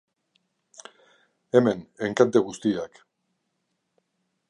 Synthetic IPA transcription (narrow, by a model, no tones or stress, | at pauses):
eme̞neŋkant̪eɣust̪iak